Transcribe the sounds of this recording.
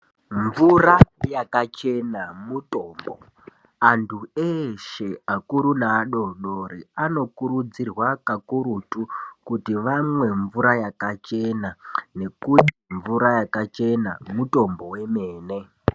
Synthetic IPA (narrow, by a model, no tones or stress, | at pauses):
ɱvurajakat͡ʃe̞namuto̞ːmbo̰ | antʰueʃe̞akuɾunaɗoɗoɾiano̞kuɾud͡zirwakakuɾutukutiʋamwe̞ɱvuɾajakat͡ʃenane̞kutiɱvuɾajakat͡ʃe̞na̰muto̞mbo̞we̞meːne̞